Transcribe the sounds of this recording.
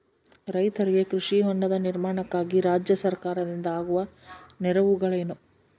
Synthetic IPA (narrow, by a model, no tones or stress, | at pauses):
ɾɐjt̪ɐɾiɡe̞kɾuʂiɦoɳɖɐd̪ɐniɾmaːɳɐkːaːɡiɾaːd͡ʒjɐsɐɾkaːɾɐd̪ind̪ɐaːɡuʋɐnɛɾɐʋuɡɐɭeːnu